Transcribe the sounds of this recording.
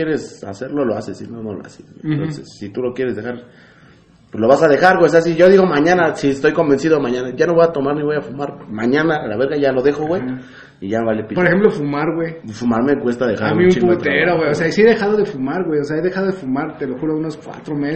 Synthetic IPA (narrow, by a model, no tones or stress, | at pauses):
jeɾe̞sa̰se̞ɾlo̞loasesḭnonolo̰a̰seswḛnnt̪osesːit̪ulo̞kje̞ɾe̞zðexaɾ | pwezlo̞βasaðe̞xaɾweseas̬iʝoðiɣo̞mãɲãnasiest̪o̞jko̞mbe̞nsiðomãɲãnaʝano̞βo̞jat̪o̞maɾniβo̞jafumaɾmãɲãnalaβe̞ɾɣaʝalo̞ðe̞xoɣwej | iʝaβalepipoɾexemplofumaɾɣwejfumaɾme̞kwe̞st̪aðe̞xaɾammiumt͡ʃiput̪ɾeɾoɣwejoseasieðe̞xaðoðefumaɾɣwejoseaeðexaðoðefumaɾt̪eloxuɾounoskwa̰t̪ɾome